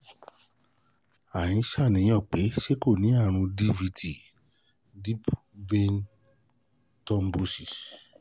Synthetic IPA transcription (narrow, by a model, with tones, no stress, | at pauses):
a˨jĩ˨˦ʃa˦˨nĩ˨j̃ɔ̃˦˨k͡pe˨˦ʃe˦ko˦˨nĩ˨˦a˦˨ɾ̃ũ˧di˦vi˧tʰi˨ | di˦p | ve˦n | tɔ˧m˦bu˧si˨s